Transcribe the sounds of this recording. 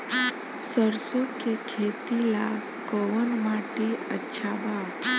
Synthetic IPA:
səɾsokekʰet̪ila | kɔʋənmaʈeətːʃʰaba

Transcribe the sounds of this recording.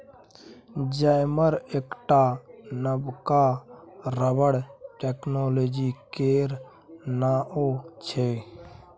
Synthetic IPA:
d͡ʒaɪməɾeːkʈanəbka | ɾəbəɽʈeːknoːloːd͡ʒikeːɾ | naːʔot͡ʃʰeː

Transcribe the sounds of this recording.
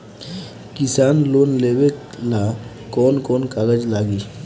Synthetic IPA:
kisaːnloːnlewek | la | kɔːnkɔːnkaɡəd͡ʒlaːɡiː

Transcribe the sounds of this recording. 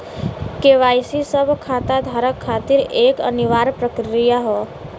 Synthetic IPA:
keːʋaːjsisəbʱkʰaːt̪ad̪ʱaːɾəkʰːaːt̪ɪɾeːkə̰nɪʋaːɾpɾəkɾɾijaɦoː

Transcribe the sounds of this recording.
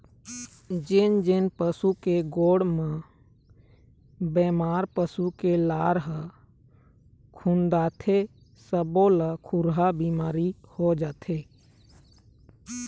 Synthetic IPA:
d͡ʒɪnd͡ʒɪnpəsukeɡoːɽmə̃ | bɛːmaːɾpəsukelaːɾɦə | kʰũnd̪aːt̪ʰe | səbõləkʰʊɾɦabimaːɾihod͡ʒaːt̪ʰe

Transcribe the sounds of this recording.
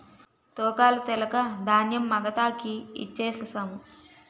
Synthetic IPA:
t̪ɔːkaːlɐt̪ɛlɐkɐd̪ʱaːnjɐmːɐɡɐt̪aːkiḭt͡ʃːeːsɐsaːmu

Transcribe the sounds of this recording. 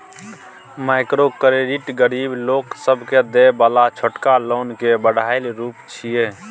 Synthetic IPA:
maɪkɾokɾeɖiʈɡəɾiːbloːksəbʱked̪ebaːlat͡ʃʰoʈkaloːnkebəɽaelɾuːpt͡ʃʰie

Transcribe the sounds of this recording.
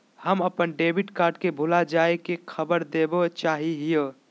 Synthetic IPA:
həməpənɖeːbɪʈkaːɾɖkebʱulad͡ʒaːekekʰəbəɾd̪eːbot͡ʃaːɦiɦijo

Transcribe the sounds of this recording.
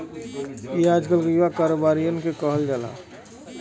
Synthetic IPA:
eaːd͡ʒkəlɡəjʋakaːɾoːbaːɾijənkekəɦəld͡ʒaːla̰ː

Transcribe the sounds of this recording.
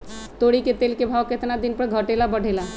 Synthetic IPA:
t̪oɽiket̪elkebʱawket̪nad̪inpəɾɡʱəʈelabəɽ̤ʱela

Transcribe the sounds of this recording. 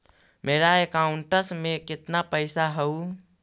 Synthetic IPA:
meɾaekauɳʈəsmekɪt̪napəɪsaɦəu

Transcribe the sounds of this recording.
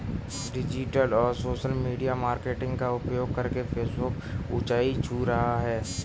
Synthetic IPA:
ɖɪd͡ʒɪʈəlɔːɾsoːʃəlmiːɖijamaːɾkeːʈɪ̃ŋɡkaʊpjoːɡ̚kɐɾkepʰeːsbʊkʊ̰t͡ʃaːit͡ʃʰuɾɐɦaɦɛː

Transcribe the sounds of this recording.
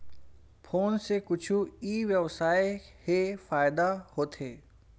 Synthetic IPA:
pʰoːnsekʊt͡ʃʰuiːʋjɐʋsaːehefaːɪd̪ahoːt̪ʰeː

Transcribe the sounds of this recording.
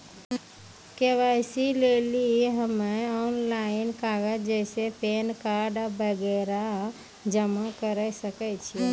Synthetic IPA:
keʋajsileliɦəmeɔnlainkaɡəd͡ʒɛjsepenkaɾɖbəɡɛɾa | d͡ʒəmakəɾəsəkət͡ʃʰi

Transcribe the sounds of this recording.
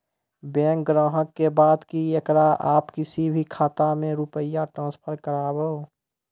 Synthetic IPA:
bɛ̃ːŋkɡɾãːɦəkːebaːd̪kiɐkɾaʔaːpkɪsibʱikʰaːt̪amẽɾʊpəjaʈɾãːspʰəɾkəɾaːbəo

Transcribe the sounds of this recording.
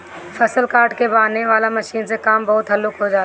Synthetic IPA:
fʰɐsəlkaːɾʈkebaːneʋaːlamɐʃiːnsekaːmbɐɦʊt̪ɦɐlukɦod͡ʒaː

